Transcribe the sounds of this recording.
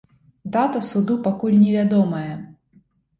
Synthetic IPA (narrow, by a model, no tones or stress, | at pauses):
d̪at̪ɐsud̪upakulʲnʲɛvʲad̪ɔmɐjɐ